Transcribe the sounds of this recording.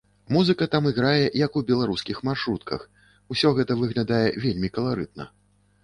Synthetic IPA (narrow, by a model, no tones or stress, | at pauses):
muzɨkɐt̪amɨɣɾajɛjɐkubʲɛlˠaɾuskʲixmarʂɾut̪kʰɐ̰x | usʲɔɣɛt̪ɐvɨɣlʲad̪ajɛvʲelʲmʲikɐlˠaɾɨt̪̚nɐ̰